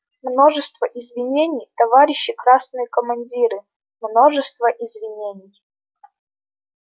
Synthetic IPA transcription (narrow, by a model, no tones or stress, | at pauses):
mno̞ʐɨst̪vəʔɪzvʲɪnʲenʲɪjt̪ɐvaɾʲɪɕːɪkɾasnɨjəkəmɐnʲdʲiɾɨ | mnoʐɨst̪vəʔɪzvʲɪnʲenʲɪj